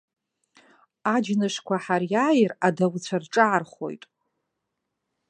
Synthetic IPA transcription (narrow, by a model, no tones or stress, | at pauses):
ad͡ʒnɨʂkʷʰaħarjaːjradawt͡ɕʷʰarʈ͡ʂʼaarχo̰jtʼ